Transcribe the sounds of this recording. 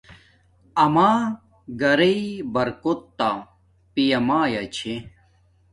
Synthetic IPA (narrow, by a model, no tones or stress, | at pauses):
ɐmaː | ɡɐɾeibɐɾkot̪ːa | pijɐmaːjɐt͡ɕʰe